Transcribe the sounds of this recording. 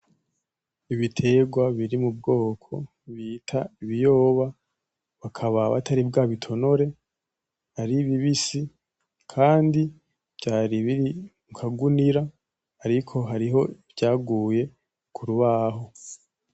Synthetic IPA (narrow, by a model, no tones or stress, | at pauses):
iβitʰe̞ɡwaβiɾimubɡo̞ːkʰo̞̰ | βiːtʰaiβijo̞ːβa | βakʰaβaβa̰tʰaɾib̚ɡaːβitʰo̞no̞ɾe̞ | haɾiβiβisi | kʰaːndi | b̥ɟaːɾiβiɾiŋkʰaɡuniɾaː | ɾikʰo̞ɦaɾiɦo̞bɟaːɡuːje̞ | kʰuɾuβaːɦo̞